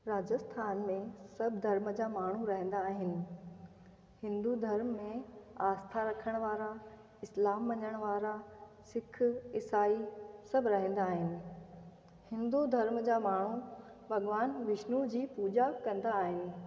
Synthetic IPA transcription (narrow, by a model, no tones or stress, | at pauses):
ɾaːd͡ʑəst̪ʰaːnmẽsɐbʱd̪ʱɐɾmd͡ʑaːmaːɳ̤uɾɐɦə̃n̆d̪aːɦɪnɪ̆ | hɪ̃nd̪ud̪ʱɐɾmːẽaːst̪ʰaɾɐkʰəɽ̃ʋaːɾa | ɪslaːmʋɐ̃ɲəɽ̃ʋaːɾasɪkʰɪsaːisɐbʱɪɾɐɦə̃n̆d̪aːɦɪnɪ̆ | hɪ̃nd̪ud̪ʱɐɾmd͡ʑaːmaːɳ̤u | bʱɐɡʋaːnʋɪʃnud͡ʑiːpuːd͡ʑakɐ̃nd̪aːɦɪnɪ̆